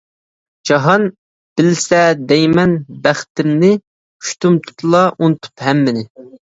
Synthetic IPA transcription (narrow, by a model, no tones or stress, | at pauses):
d͡ʒɑɦɑn | b̥ɪlsɛd̪ɛjmɛnbæχt̪ɪmnɪ | y̥ʃt̪umt̪ʰu̥t̪ʰlˠɑʔunɨt̪ʰu̥phɛmːɪnɪ